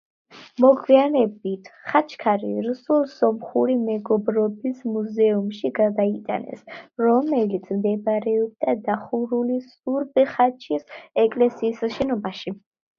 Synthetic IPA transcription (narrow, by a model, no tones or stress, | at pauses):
mɔɡwianɛbit̪ʰχat͡ʃʰkʰaɾḭɾusulˠsɔmχuɾimɛɡɔbɾɔbismuzɛumʃiɡad̪ait̪ʼa̰nɛ̰sɾɔmɛlit̪sʰmd̪ɛbɾɛɔb̚d̪ad̪aχuɾulisuɾbiχat͡ʃʰisɛkʼlɛsiːsaʃɛnɔbaʃi